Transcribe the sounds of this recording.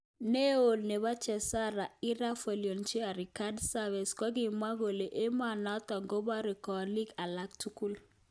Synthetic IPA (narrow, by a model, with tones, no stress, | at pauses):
ne˦o˨lne˨βa˦t͡ʃɛ˨sa˦ɾa˨i˦ɾa˦fe˨ljo˨nt͡ʃi˦a˨ɾi˨ka˦dsa˦vɛ˨skɔ˦ɡi˨ma˦ɣo˨le˨ʔe˦ma˨na˦t̪ɔ˨ŋɡo˦ba˦ɾi˨kɔ˨li˦ɡa˨la˦k̚tu˦ku˦l